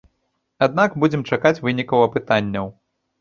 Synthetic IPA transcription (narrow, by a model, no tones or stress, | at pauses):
ad̪̚nakbud͡zʲɛmt͡ʂakat͡sʲvɨnʲikɐwɐpɨt̪anʲːɐw